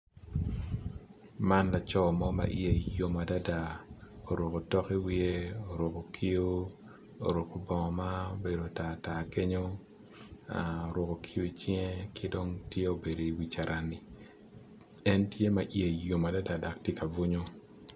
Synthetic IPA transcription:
ma˦nla˨t͡ʃɔ˦mɔ˦ma̰˨ʔj̰e˨jo˨ma˨da˦da˨o˨ɾo˨ko˨tɔ˦ki˦wi˦e˦o˨ɾo˨ko˨kʰi˦o˦ | o̰˨ɾo˨ko˨bɔ˨ŋɔ˨ma˦o˦be˨do˨ta˨ta˨ke˦ɲo˦ | a˨o˨ɾo˨ko˨kʰi˦o˦i˨t͡ʃjŋe˦kɪ˦do˦ŋtje˦o˨be˨do˨i˨wi˨t͡ʃa˨ɾʔa˨ni˨ | ɛ˦ntje˦ma˨ʔje˨jo˨ma˨da˦da˨da˨k̚tje˦ka˨vu˦ɲo˦

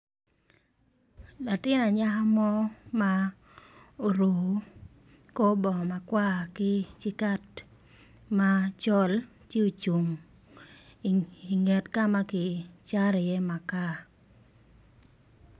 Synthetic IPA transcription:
la˨tɪ˦na˨ɲa˦ɦa˦mɔ˦ma˦ | o˨ɾo˨˦ | ko˦bɔ˨ma˨kwa˦kɪ˦t͡ʃɪ˦ka˦t | ma˦t͡ʃɔ˦l | tje˦o˨t͡ʃu˨ŋ˨ | i˨ŋɛ˨tka˦ma˦kɪ˨t͡ʃa˦ɾjɛ˦ma˨ka˦

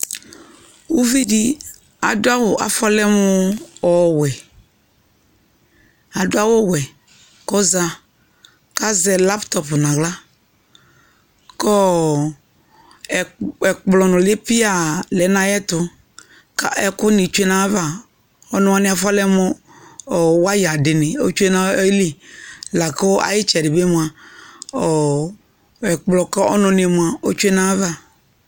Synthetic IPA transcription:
u˦vi˦di˦ | a̰˨dʊ˦a˦wʊ˨ʔa̰˨fɔ˦lɛ˦mʊ˦ɔ˨wɛ˨ | a˨dʊ˦a˦wɔ˦˨wɛ˨ | kɔ˦za˨ | ka˦zɛ˨la˦ptɔ˨pnã˨ɡla˦ | kɔ˦˨ | ɛ˨k͡plɔ˨nʊ̃˨lɪ˦pɪ˦a˨lɛ˨˦nã˨jɛ˦tʊ˨ | ka˦ʔɛ˦kʊ˦nɪ˨t͡ʃu˦e˦nã˨˦va˦˨ | ɔ˦nʊ̃˦a˦nɪ̃˦a˨fa˦lɛ˦mɔ˦ | ɔ˨wa˦ja˨dɪ˨nɪ˨o̰˦t͡ʃu˦e˦na˦li˦la˨ko˦a̰˨jɪ˦t͡ʃɛ˨dɪ˨be˦mu˨a˨ | ɔ˨ | ɛ˨k͡plɔ˨kɔ˦ɔ̰˦nʊ˨˦n˨e˨mu˨a˨o˦t͡ʃu˦e˦nã˦va˦˨

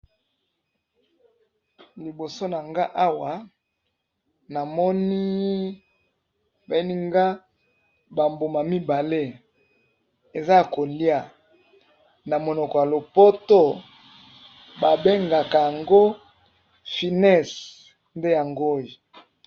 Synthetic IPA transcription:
li˨bo˨so˦na˨ŋɡa˦ʔa˦wa˨ | na˨mɔ˦ni˦ | ba˨e˦ni˦ŋɡa˦ | ba˨mbo˨ma˨mi˦ba˨le˦ | e˨za˦˨ko˨li˦a˨ | na˨mo˨nɔ˨kɔ˨ja˨lo˨po˦to˦ | ba˨be˦ŋɡa˨ka˨ja˨ŋɡo˦ | fi˨nɛ˦˨s | nde˦ja˨ŋɡo˦˨i˨

